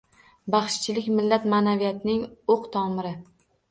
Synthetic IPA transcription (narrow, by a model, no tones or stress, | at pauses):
baχʃt͡ʃʰɪlɪkʲmɪlːat̪manavijat̪ʰɪnɪŋoqt̪ʰɒmɪɾɪ